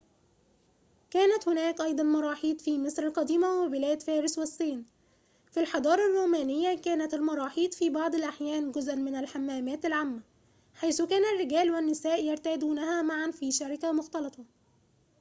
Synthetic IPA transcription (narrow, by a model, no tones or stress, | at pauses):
kæːnæt̪hʊnæːkʔɑjd̪ˤɑnmɑɾˤɑːħiːt̪fiːmɪsˤɾɑlqɑd̪iːmawɪbɪlæːd̪fæːɾɪswɪsˤːiːn | filħɑd̪ˤɑːɾˤɑrˤːuːmæːnɪjːakæːnæt̪almɑɾˤɑːħiːt̪fiːbɑʕd̪ˤɪlʔaħjæːnɡʊzʔanmɪnalħamːæːmæːt̪alʕaːmːa | ħajsʊkæːnarːɪɡæːlwɪnːɪsæːʔjɑɾˤt̪æːd̪uːnæhæːmaʕanfiːʃaɾɪkamʊxt̪ɑlɑt̪ˤʰɑ